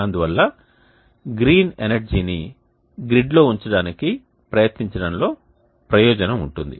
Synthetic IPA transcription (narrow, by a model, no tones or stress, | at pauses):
ɐnd̪uʋɐlːɐ | ɡɾiːnenɐɾd͡ʒiːni | ɡɾiɖlo̞ːuɲt͡ʃɐɽaːniki | pɾɐjɐt̪niɲt͡ʃɐɽɐnlo̞ː | pɾɐjɔːd͡ʒɐnɐmuɳʈund̪ḭ